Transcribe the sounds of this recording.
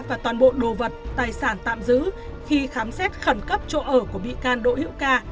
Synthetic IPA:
vaː˨˩t̪waː˨˩nɓo̰˧˨ɗo˨˩və˨˩t̚t̪aː˨˩jsaː˧˩nt̪a̰ː˧˨mzɨ̰˧˥xi˧xaː˨˦msɛ˦˥t̚xə˧˩nkə˦˥p̚t͡ɕo̰˧˨ʔəː˧˩ku˧˩əɓḭ˧˨kaː˧nɗo̰˧˨hḭ˧˥əwkaː˧

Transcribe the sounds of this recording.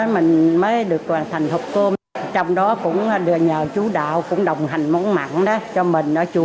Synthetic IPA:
mï˨˩ŋ̟məː˨˦jɗɨ˨˩ək̚aː˨˩t̪ʰa˨˩jŋ̟hʊ˨˩k͡p̚ko˧ | t͡ɕɔ˧wŋ͡mɗɔ˨˦kʊ̰˧˥ŋ͡mɗɨ˨˧˩ɲəː˨˩t͡ɕu˨˦ɗa̰ː˧˨wkʊ̰˧˥ŋ͡mɗə˨˩wŋ͡mɦa˨˩jŋ̟mɔ˨˦nma̰˧˨nɗɔ˨˦t͡ɕɔ˧mï˨˩ŋ̟ʔəː˧˩˦t͡ɕu˧˩

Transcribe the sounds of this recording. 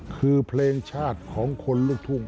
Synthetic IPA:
kʰɯː˧pʰleː˧ŋt͡ɕʰaː˥˩t̪̚kʰɔː˩˦ŋkʰo˧nluː˥˩k̚t̪ʰu˥˩ŋ

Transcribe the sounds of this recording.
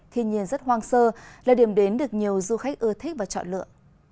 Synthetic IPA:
t̪ʰi˧ənɲi˧ənzə˦˥t̚ɦwaː˧ŋsəː˧laː˨˩ɗi˨˩əmɗe˨˦nɗɨ˨˩ək̚ɲi˨˩əwzu˧xa˦˥jk̚ʔɨ˧ət̪ʰi˦˥k̚vaː˨˩t͡ɕɔ̰˧˨nlɨ̰˧˨ə

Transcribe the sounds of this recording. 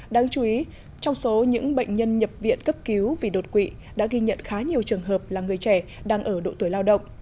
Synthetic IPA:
ɗaː˧ŋt͡ɕu˧˩ʔi˨˦ | t͡ɕɔ˧wŋ͡mso˨˦ɲɨ̰˧˥ŋɓə̰˧˨jŋ̟ɲə˧nɲə˨˩p̚vḭ˧˨ənkə˦˥p̚ki˨˦wvi˨˩ɗo˨˩t̚kwḭ˧˨ | ɗa̰ː˧˥ɣi˧ɲə̰˧˨nxaː˨˦ɲi˨˩əwt͡ɕɨ˨˩əŋɦəː˨˩p̚laː˨˩ŋɨ˨˩əjt͡ɕɛ˧˩ɗaː˧ŋʔəː˧˩ɗo̰˧˨t̪u˧˩jlaː˧wɗə̰˧˨wŋ͡m

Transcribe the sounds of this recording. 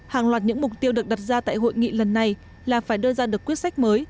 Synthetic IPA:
haː˨˩ŋlwaː˨˩t̚ɲɨ̰˧˥ŋmʊ˨˩k͡p̚t̪i˧əwɗɨ˨˩ək̚ɗa˨˩t̚zaː˧t̪a̰ː˧˨jɦo̰˧˨jŋḭ˧˨lə˨˩nːa˨˩j | laː˨˩faː˧˩jɗəː˧zaː˧ɗɨ˨˩əkːwət̚sa˦˥jk̟̚məː˨˦j

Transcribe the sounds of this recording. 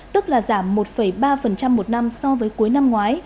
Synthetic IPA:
t̪ɨ˦˥k̚laː˨˩zaː˧˩mːo˨˩t̚fə˧˩jɓaː˧fə˨˩nt͡ɕa˧mːo˨˩t̚na˧msɔ˧vəː˨˦jku˨˦jna˧mŋwaː˨˦j

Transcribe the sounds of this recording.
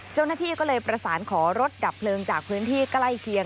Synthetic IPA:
t͡ɕa˥˩wnaː˥˩t̪ʰiː˥˩kɔː˥˩lɤː˧jpɾa˧saː˩˦nkʰɔː˩˦ɾo˦˥t̪̚da˨˩pʰlɤː˧ŋt͡ɕaː˨˩k̚pʰɯː˦˥nt̪ʰiː˥˩kla˥˩jkʰi˧ə

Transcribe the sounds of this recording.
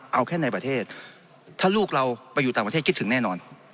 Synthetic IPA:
ʔa˧wkʰɛː˥˩na˧jpɾa˧t̪ʰeː˥˩t̪̚ʰː | aː˥˩luː˥˩k̚ɾa˧wpa˧ju˨˩t̪aː˨ŋpa˧eː˥˩i˥t̪ʰŋnɛː˥˩nɔː˧n

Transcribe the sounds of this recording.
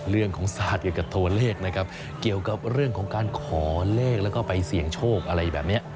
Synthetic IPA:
ɾɯ˥˩əŋkʰɔː˩˦ŋsaː˨˩t̪̚ki˨˩ka˨˩p̚t̪ʰu˧ɐleː˥˩k̚na˦˥kʰa˦˥p̚ | ki˨˩əwka˨˩p̚ɾɯ˥˩əŋkʰɔː˩˦ŋkaː˧nkʰɔː˩˦leː˥˩k̚lɛː˦˥wkɔː˥˩pa˧jsi˨˩əŋt͡ɕʰoː˥˩k̚ʔa˧ɾa˧jbɛː˨˩p̚ni˦˥ɐʔ

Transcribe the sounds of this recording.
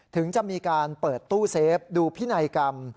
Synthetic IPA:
t̪ʰɯ˩˦ŋt͡ɕa˨˩ʔmiː˧kaː˧npɤː˨˩t̪ːuː˥˩seː˦˥pp̚duː˧pʰiː˦˥˩na˧jka˧m

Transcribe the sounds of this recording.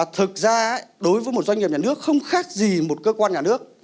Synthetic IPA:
t̪ʰɨ˨˩t̚zaː˧˥˦jɗo˨˦jvəː˨˦jmo˨˩t̚zwa˧jŋɲi˨˩p̚ɲaː˨n˦ɨ˦˥ək̚xə˧wŋ͡mxaː˦˥k̚zi˨˩mo˨˩t̚kəː˧kwaː˧nɲaː˨˩nɨ˦˥ək̚

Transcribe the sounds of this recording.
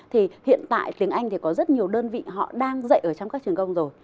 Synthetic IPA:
t̪ʰi˨˩hḭ˧˨ənt̪a̰ː˧˨jt̪i˨˦əŋʔa˧jŋ̟t̪ʰi˨˩kɔ˨˦zə˦˥t̚ɲi˨˩əwɗəː˧nvḭ˧˨ɦɔ̰˧˨ɗaː˧ŋzə̰˧˨jʔəː˧˩t͡ɕɔ˧wŋ͡mkaː˦˥k̚t͡ɕi˨˩ənkə˧wŋ͡mzo˨˩j

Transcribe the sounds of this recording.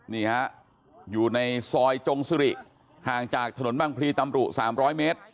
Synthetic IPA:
niː˧˩ha˦˥ʔ | juː˨˩na˧jsɔː˧jt͡ɕo˧ŋsi˧ɾi˨˩ʔ | haː˨˩ŋt͡ɕaː˨˩k̚t̪ʰa˧no˩˦nbaː˧˩ŋpʰliː˧t̪a˧mɾu˨˩t̪̚saː˩˦mɾɔː˦˥jmeː˦˥t̪̚

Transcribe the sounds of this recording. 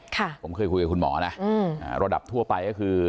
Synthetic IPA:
kʰa˥˩pʰo˩˦mkʰɤː˧jkʰu˧jka˨˩kʰu˧nmɔ̰ː˩˦na˦˥ʔɯː˧˩ʔaː˧˩ɾa˧da̰˨˩p̚t̪ʰu˥˩ɐpa˧jkɔː˥˩kʰɯː˧

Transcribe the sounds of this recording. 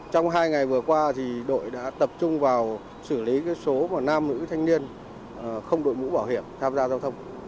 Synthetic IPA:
t͡ɕɔ˧wŋ͡mɦaː˧jŋa˨˩jvɨ˨˩əkwaː˧t̪ʰi˨˩ɗo̰˧˨jɗa̰ː˧˥t̪ə˨˩p̚t͡ɕʊ˧ŋ͡mvaː˨˩w | sɨ˧˩li˨˦kaː˨˦jso˨˦maː˨˩naː˧mnɨ̰˧˥t̪ʰa˧jŋ̟ni˧ən˨˩ | xə˧wŋ͡mɗo̰˧˨jmṵ˧˥ɓaː˧˩whi˧˩əmt̪ʰaː˧mzaː˧zaː˧wt̪ʰə˧wŋ͡m

